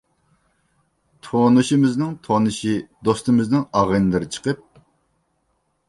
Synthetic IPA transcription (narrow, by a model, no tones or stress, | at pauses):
t̪ʰonuʃimɪznɪŋt̪ʰonɨʃid̪ost̪ɨmɪznɪŋɑʁənɨlˠɨɾɨt͡ʃʰə̥qʰəp̚